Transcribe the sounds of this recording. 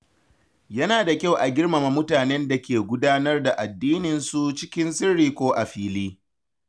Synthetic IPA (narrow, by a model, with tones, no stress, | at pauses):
jɐ˦naː˨da˨kʲa˦˨wʔa˨ɡʲɪ˦rma˨ma˨mʊ˦taː˨nɛ˦nda˨kʲeː˨ɡʷʊ˦daː˦nɐ˦rda˨ʔa˨dːiː˦nɪ˨nsu˨t͡ʃɪ˦kʲɪ˦nsɪ˦rːiː˨kʷoː˦ʔa˨ɸiː˦liː˦